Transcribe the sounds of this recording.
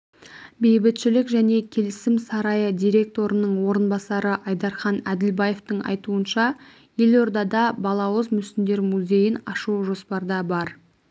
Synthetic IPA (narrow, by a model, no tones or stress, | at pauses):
be̞jbɪt̪ʃɪlɪkʒæne̞kʲʰe̞lɪsɪmsɑɾɑjəd̪ijɾʲe̞k̚t̪o̞ɾənəɴwo̞ɾənbɑsɑɾəʔɑjd̪ɑɾχɑnæd̪ɪlbɑje̞ft̪əɴɑ̰jt̪uənʃɑ | je̞lo̞ɾd̪ɑd̪ɑbɑlˠɑwəzmʏst̪ɪnd̪e̞ɾmuzʲe̞jɪnɑʃuʒo̞spɑɾd̪ɑbɑɾ